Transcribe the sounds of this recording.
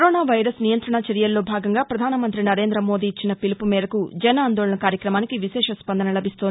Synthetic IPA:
ɾoːnaːʋɐjɾɐsnijɐnt̪ɾɐɳɐt͡ʃɐɾjɐlːo̞ːbʱaːɡɐŋɡaːpɾɐd̪ʱaːnɐmɐnt̪ɾinɐɾeːnd̪ɾɐmo̞ːd̪iːt͡ʃːinɐpilipumɛːɾɐkud͡ʒɐnɐaːnd̪oːɭɐɳɐkaːɾjɐkɾɐmaːnikiʋiʃɛːʂɐspɐnd̪ɐnɐlɐbʱist̪o̞ːndi

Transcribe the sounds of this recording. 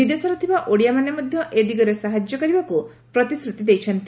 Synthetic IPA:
id̪esɔɾɔt̪ʰibaʔoɽijamanemɔd̪ʱjɔʔed̪iɡɔɾesaɦad͡ʒjɔkɔɾibaku | pɾɔt̪isɾut̪id̪ejt͡ʃʰɔnt̪i

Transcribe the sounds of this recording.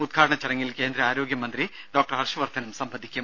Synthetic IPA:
ud̪̚ɡʰʱaːɽɐɳɐt͡ɕːɐrɐŋːilke̞ːnd̪ɾɐaːɾo̞ːɡjɐmɐnd̪ri | ɖo̞ːk̚ʈɐrɦɐrʂɐʋɐrt̪ʰɐnɐmsɐmbʱɐd̪ʱikʲːum

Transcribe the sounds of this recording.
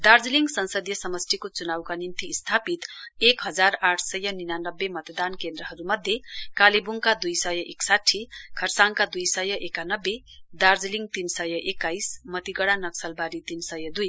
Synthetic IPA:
d̪ard͡zliŋɡsʌnsʌd̪jʌsʌmʌsʈ̪ʰikot͡sunawkanint̪iːst̪ʰapit̪ekɦʌd͡zaraʈʰsʌjʌninanʌbːemʌt̪d̪ankend̪ɾʌɦʌɾumʌd̪ʱjekalibuŋkad̪ujsʌjʌʔeksaʈʰikʰʌrsaŋkad̪ujsʌjʌʔekanʌbːe | d̪ard͡zliŋɡ̚t̪insʌjʌʔekːajsmʌt̪iɡʌɽanʌksʌlbaɾit̪insʌjʌd̪uj

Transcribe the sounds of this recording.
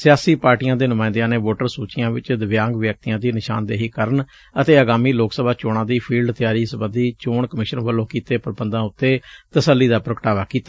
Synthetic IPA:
sɪjaːsiːpaːɾʈijãːd̪eːnʊmaːɪ̃nd̪jãːneːʋoːʈəɾsuːt͡ʃɪjãːʋɪt͡ʃd̪əʋjãːŋɡʋjək̚t̪ijãːd̪iːnɪʃa̰ːnd̪eːɦiːkəɾəɳ | ət̪eːəɡaːmiːloːksəbaːt͡ʃoːɽãːd̪iːpʰiːlɖt̪ɪjaːɾiːsəbə̃nd̪iːt͡ʃoːɳkəmɪʃənʋəlːõːkiːt̪eːpɾəbənd̪ãːʊt̪ːeːt̪əsəlːiːd̪aːpɾəkəʈaːʋaːkiːt̪a

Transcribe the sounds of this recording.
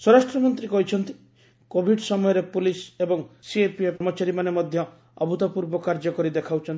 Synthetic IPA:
swɔɾasʈɾɔmɔnt̪ɾikɔɦit͡ʃʰɔnt̪i̥ | kobʱiɖsɔmɔjɔɾepulisebɔŋsiepiepmɔt͡ʃaɾimanemɔd̪ʱjɔ | ɔ̰but̪ɔpuɾbɔkaɾd͡ʒɔkɔɾid̪ekʰawt͡ʃʰɔnt̪i

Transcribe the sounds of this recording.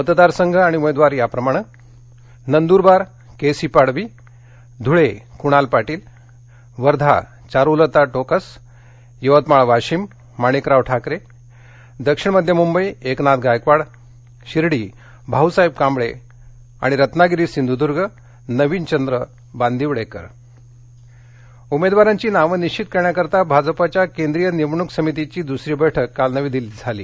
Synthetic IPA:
mət̪d̪aɾsəŋɡʱəaɽ̃iumed̪ʋaɾjapɾəmaɽ̃ə | nənd̪uːɾbaɾ | kesipaɽʋi | d̪ʱuɭekuɽ̃alpaʈiːl | ʋəɾd̪ʱa̰ | t͡ɕaɾulət̪aʈokəs | juʋət̪maɭʋaɕimː | aɽ̃ikɾaʋʈʰakɾe | d̪əkʂiɳ̃məd̪ʱjəmumbəjeknat̪̚ɡajkʋaɽ | ɕiɾɽiː | bʱaɦusaib̚kambɭe | a̰ɽ̃iɾət̪naɡiɾiːsind̪ʱud̪uɾɡə | nəʋiːnt͡ɕənd̪ɾə | band̪ʱiʋɽekə̰ɾ | umed̪ʋaɾaɲt͡ɕiːnaʋənit͡ɕit̪̚kəɾɳjakəɾt̪abʱad͡zpat͡ɕjakend̪ɾijənimɳuksəmit̪it͡ɕiːd̪usɾiːbəjʈʰəkːalnəʋiːd̪ilid͡zʱalḭː

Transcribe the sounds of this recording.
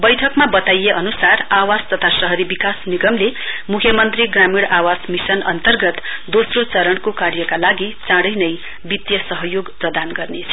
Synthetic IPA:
bʌjʈʰʌkmabʌt̪ajeʔʌnusarawast̪ʌt̪ʰasʌɦʌɾibikasniɡʌmlemukʰjʌmʌnt̪riɡramiɽawasmisʌnʌ̰nt̪ʌrɡʌt̪d̪osrot͡sʌɾʌɳkokarjʌkalaɡit͡sãɽʌjnʌj | bit̪jʌsʌɦʌjoɡprʌd̪anɡʌrnet͡sʰʌ̥

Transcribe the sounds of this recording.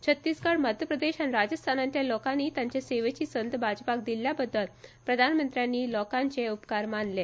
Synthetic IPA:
t͡ɕʰət̪ːiːskəɽməd̪ʱjəpɾəd̪eɕanɾad͡ʑəst̪ʰanant̪jalɔkanːiːt̪jãɲt͡ɕeseʋet͡ɕiːsənd̪bad͡ʑpak̚d̪iljabəd̪ːəlpɾəd̪ʱanmənt̪ɾjanːiːlɔkãɲt͡ɕeupkaɾmanle

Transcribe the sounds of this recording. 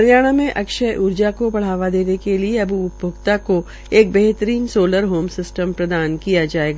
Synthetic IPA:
ɐɾjaːɽ̃amẽʔɐkʃəʔʊɾd͡ʒakobɐɽ̤aːʋad̪eːnekelieɐbʱuʊbʱoɡt̪ako | eːk̚bɛɦt̪əɾiːnsoːləɾɦoːmsɪsʈə̃mpɾɐd̪aːnkijad͡ʒaːeːɡa

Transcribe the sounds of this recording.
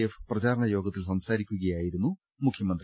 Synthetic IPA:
efprɐd͡ʑaːɾɐɳɐjo̞ːɡɐt̪ːilsɐmsaːɾikʲːuɣɐjaːjiɾunːu | mukʰjɐmɐnd̪r

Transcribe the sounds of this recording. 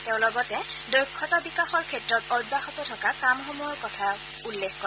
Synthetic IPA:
teʊ̃lɔɡɔtɛdojkʰːɔtabikaxɔɹkʰɛtɹɔtɔdbaxɔtɔtʰɔkakamxomɔjɔɹkɔtʰa | ulːexkɔɛ

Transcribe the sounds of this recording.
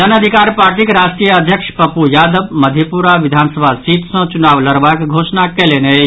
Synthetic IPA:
ənəd̪ʱikaːɾpaːɾʈikɾasʈɾijəəd̪ʱjəkʂpəpujaːd̪əbməd̪ʱjəpuɾaʋid̪ʱaːnsəbʱasit̪sə̃t͡ʃunaːʋləɾbakɡʱoːsnakelene

